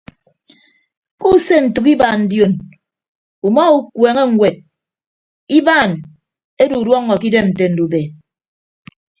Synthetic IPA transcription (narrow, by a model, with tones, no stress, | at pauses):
ku˦˨se˦n̩˨tu˨ki˦ba˨n̩˨djo˨n | u˨mɔ˦u˦kweː˨ŋe˦ŋ̩˨wʷe˨t̚ | i˦baː˦˨n | e˦du˨dwɔ˦ŋːɔ˨ki˦de˦mn̩˨te˨n̩˨du˨be˨